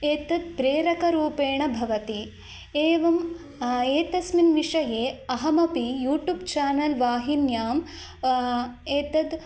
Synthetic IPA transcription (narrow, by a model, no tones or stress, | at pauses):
eːt̪ɐd̪̚pɾeːɾɐkɐɾuːpeːɳɐbʱɐʋɐt̪i | eːʋɐm | eːt̪ɐsminʋiʂɐjeːɐɦɐmɐpijuːʈjuːbt͡ʃaːnɐlʋaːɦinjaːm | eːt̪ɐd̪